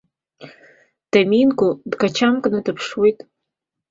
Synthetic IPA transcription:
d̥aminkʷʊdɡat͡ʃʰamkʼnadɨpʰʂwojtʼ

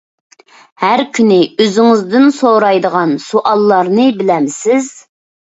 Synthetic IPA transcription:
hæɾkʲʰynɪøzɪŋɪzd̪ɪnsoɾɑjd̪əʁɑnsuʔɑlˠːɑɾnɨbɪlɛmsɪz̥

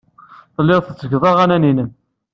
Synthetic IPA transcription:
θlːɪʁθət͡sːəɡðˤɑʁænæninəm

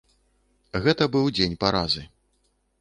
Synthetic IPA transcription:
ɣɛt̪ɐbɨwd͡zʲenʲpaɾazɨ

